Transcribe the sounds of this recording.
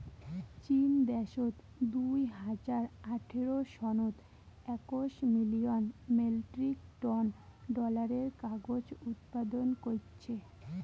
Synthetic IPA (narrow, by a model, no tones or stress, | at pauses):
t͡ɕind̪ɛʃot̪ | d̪ujɦad͡ʑaɾaʈʰeɾoʃɔnot̪ | ɛkoʃmilionmelʈɾikʈɔnɖɔlaɾeɾkaɡod͡ʑut̪̚pad̪onkoɾt͡ɕʰe